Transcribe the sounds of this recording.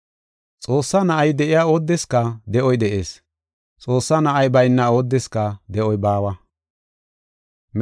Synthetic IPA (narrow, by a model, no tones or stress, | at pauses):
t͡sʼo̞ːsːɐnɐʔɐjd̪ɛʔɪjaːo̞ːd̪ːɛskːɐd̪ɛʔɔjd̪ɛʔe̞̰ːs | t͡sʼo̞ːsːɐnɐʔɐjbɐjnːɐo̞ːd̪ːɛskɐd̪ɛʔɔjbaːwɐ | m